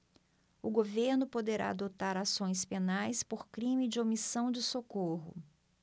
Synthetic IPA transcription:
ʊɡoveɾnʊpod̪eɾa̰a̰d̪ot̪aɾasõj̃spenajspoɾkɾĩmɪd͡ʒɪomisɐ̃w̃d͡ʒɪsokoɦʊ̰

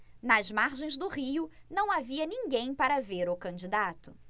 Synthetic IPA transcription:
nɐzmaɾʒẽj̃zd̪ʊʁiʊnɐ̃w̃aviɐnĩŋɡẽj̃paɾɐveɾʊkɐ̃nd͡ʒid̪at̪ʊ

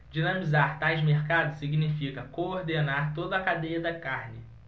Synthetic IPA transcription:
d͡ʒinɐ̃mizaɾt̪ajzmeɾkad̪ʊsiɡinifikɐkooɾd̪enaɾt̪od̪ɐkad̪ejɐd̪ɐkaɾnɪ

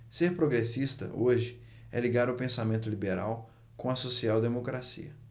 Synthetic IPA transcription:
seɾpɾoɡɾesist̪ɐ̰ʔoʒɪ | ɛ̰liɡaɾɐwpẽsamẽnt̪ʊlibeɾa̰w | kõɐsosiawd̪emokɾasḭɐ

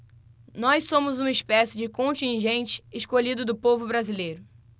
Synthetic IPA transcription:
nɔjssõmʊzũmɐɪspɛsɪd͡ʒɪkõt͡ʃĩʒẽnt͡ʃɪ̥ːʃkoʎid̪ʊd̪ʊpovʊbɾazilejɾʊ

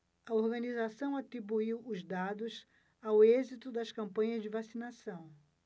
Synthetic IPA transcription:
ɐoɾɡɐnizasɐ̃w̃at̪ɾibuiwʊzd̪ad̪ʊs | awezit̪ʊd̪ɐskɐ̃mpɐ̃ɲɐzd͡ʒɪvasinasɐ̃w̃

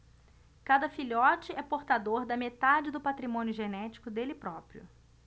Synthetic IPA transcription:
kad̪ɐfilɔt͡ʃɪɛpoɾt̪ad̪oɾd̪ɐmet̪ad͡ʒɪd̪ʊpat̪ɾimõnjʊʒenɛt͡ʃi̥kʊd̪elɪpɾɔpɾiʊ̰

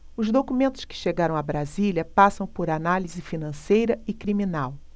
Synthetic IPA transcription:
ʊzd̪okumẽnt̪ʊ̥skɪ̥ʃeɡaɾɐ̃w̃abɾazilʲɐpasɐ̃w̃poɾanalizɪfinɐ̃sejɾɐɪkɾimĩnaw

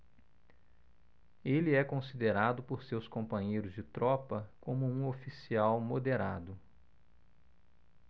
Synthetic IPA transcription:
elɪɛkõsid̪eɾad̪ʊpoɾsewskõpɐ̃ɲejɾʊzd͡ʒɪt̪ɾɔpɐkõmʊũofisiawmod̪eɾad̪ʊ

